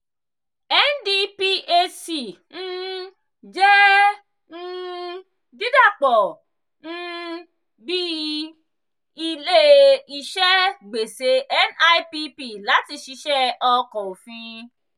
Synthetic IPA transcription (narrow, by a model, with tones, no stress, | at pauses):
ɛ˦ndi˦pi˦ʔe˧si˨ | ñ̩˦ | d͡ʒɛ˦ | n̩˦ | di˦da˦˨k͡pɔ˨ | n̩˦ | bi˦ | i˧le˦i˧ʃɛ˦ɡ͡be˨se˨˦ʔɛ˦na˦pi˧pi˦˨la˨˦ti˧˨ʃi˧ʃɛ˦ɔ˧kɔ̃˨o˨fĩ˧